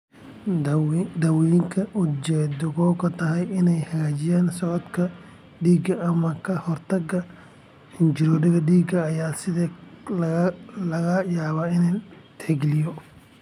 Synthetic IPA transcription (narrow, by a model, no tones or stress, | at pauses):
d̪ɐwiŋkʰɐʔʊd̪d͡ʒɛːd̪ʊɣɔːkʰɐt̪ʰɐɦɛjɪnɛjhɐɣaːt͡ʃɪjaːnsɔʕɔd̪kʰɐ | ɖiːɡɐʔɐmɐkʰɐhɔrt̪ʰɐɡɐ | hɪnt͡ʃɪɾɔdɐɣɐɖiːɡɐːjaːsɪðɛllɐɣɐjaːβaːɪnant̪ʰɛɡlɪjɔ